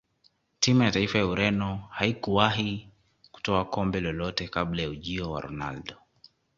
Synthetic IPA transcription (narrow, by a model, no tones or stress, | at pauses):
timujataifajauɾɛnɔhaikuwaɦi | ku̥tɔakɔmbɛlɔlɔtɛkablajauʄiɔwa̰ɾɔ̰na̰ldɔ